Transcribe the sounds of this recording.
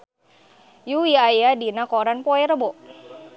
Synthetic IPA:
jujajadinakoɾanpoɛɾəbɔʔ

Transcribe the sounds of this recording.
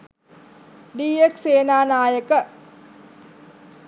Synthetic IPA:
ɖiːekseːnaːnaːjəkə

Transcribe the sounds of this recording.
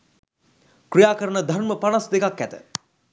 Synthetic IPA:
krijaːkəɾənəd̪ʱarməpanasd̪ekakːæt̪ə̰

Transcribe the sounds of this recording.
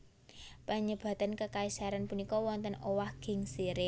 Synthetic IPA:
pəɲəb̥a̤t̪ankəkaisaɾanpunikɔwɔnt̪ənowahɡ̥ɪ̤ŋsiɾɪ

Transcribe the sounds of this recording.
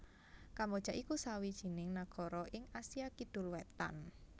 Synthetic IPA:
kambod̥ʒ̥a̤ʔikusawid̥ʒ̥i̤nɪŋnaɡ̥ɔɾɔʔɪŋasiakid̪̥ʊ̤lwɛt̪a̰n

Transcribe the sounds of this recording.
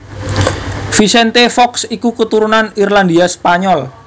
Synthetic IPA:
fisɛnt̪efɔksikukət̪uɾunanirland̪iaspaɲɔl

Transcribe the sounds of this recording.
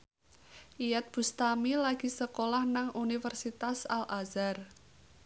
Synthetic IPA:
ʔijɛt̪̚b̥ṳst̪amilaɡ̥i̤səkolahnaŋunifərsit̪asalazar

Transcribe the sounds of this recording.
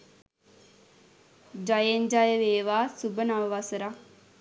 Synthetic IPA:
d͡ʒajeɲd͡ʒajəʋeːʋaːsubənaʋəʋasəɾak

